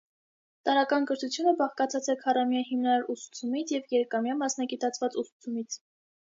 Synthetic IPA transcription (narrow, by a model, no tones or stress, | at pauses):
t̪ɑɾɑkɑnkəɾt̪ʰut͡sʰjunəbɑχkɑt͡sʰɑt͡sɛkʰɑrɑmjɑɦimnɑɾɑɾusu̥t͡sʰumit͡sʰjɛvjɛɾkɑmjɑmɑsnɑɡit̪ɑt͡sʰvɑt͡susu̥t͡sʰumit͡sʰ